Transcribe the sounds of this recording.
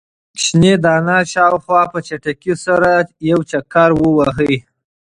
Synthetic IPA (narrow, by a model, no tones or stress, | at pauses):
ʃned̪ɑnaʃɑwxwɑpət͡ʃaʈakisaɾajawt͡ʃakaɾwəwaɦəj